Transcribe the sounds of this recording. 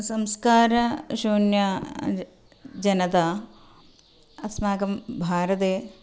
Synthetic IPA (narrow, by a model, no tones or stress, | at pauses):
sɐmskaːɾɐʃuːnjɐ | d͡ʒɐnɐt̪aː | ɐsmaːkɐmbʱaːɾɐt̪eː